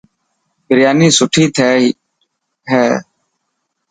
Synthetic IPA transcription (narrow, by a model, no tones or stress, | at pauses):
bɪɾjaːniːsʊʈʰiːt̪ʰeː | ɦɛː